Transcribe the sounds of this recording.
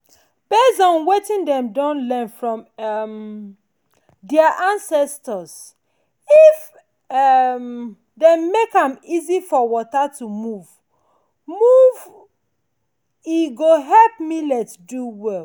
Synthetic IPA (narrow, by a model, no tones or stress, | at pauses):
bɛsɔ̃nwetĩndɛ̃mdɔ̃nlɛ̃nfɹɔ̃mm | dɛaʔãnsɛstəz | if | m | demekãmizifɔwɔtatumuv̥ | muv | iɡoɦɛlp̚milɛtduwɛl